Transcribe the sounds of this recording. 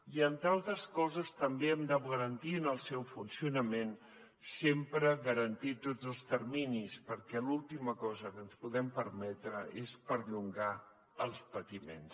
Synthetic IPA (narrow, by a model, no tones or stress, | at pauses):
iənt̪ɾalˠt̪ɾəskɔzəst̪əmbeɛmd̪awɣəɾənt̪inəlˠsɛwfunsiunəmen | sempɾəɣəɾənt̪it̪od͡zəlˠst̪əɾminispəɾkɛlulˠt̪iməkɔzəkənspuðɛmpəɾmɛt̪ɾəʔespəɾʎuŋɡa | əlˠspət̪imḛns